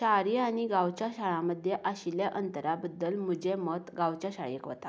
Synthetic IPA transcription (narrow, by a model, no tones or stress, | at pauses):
ɕaɾiaɽ̃iɡawt͡ɕjaɕaɭaməd̪ʱjeʔaɕiljaʔənt̪əɾabəd̪ːəlm̤ud͡ʑemət̪ɡawt͡ɕaɕaɭiekʋə̰t̪a